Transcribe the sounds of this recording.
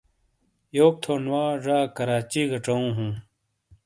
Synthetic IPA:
joːk̚t̪ʰoːnwaːʐaːkɐɾaːt͡ɕiɡɐʈ͡ʂoũːɦũ

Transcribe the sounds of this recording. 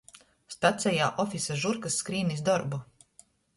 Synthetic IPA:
st̪at̪sɛjaːʔɔfisaʒuɾkasːkɾiːnisd̪ɔɾbu

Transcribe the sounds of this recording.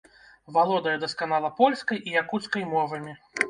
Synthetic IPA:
valˠɔd̪ɐjɐd̪ɐskanalˠɐpɔlʲskɐjʔijakut̪skɐjmɔvɐmʲi

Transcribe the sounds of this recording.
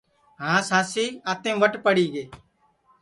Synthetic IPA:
ɦãːsãːsiːaːt̪ẽːʋəʈpəɽiːɡeː

